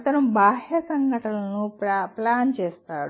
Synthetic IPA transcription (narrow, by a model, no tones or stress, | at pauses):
t̪ɐnɐmbaːɦjɐsɐŋɡʱɐʈɐlɐnuplaːnt͡ʃeːst̪aːɽu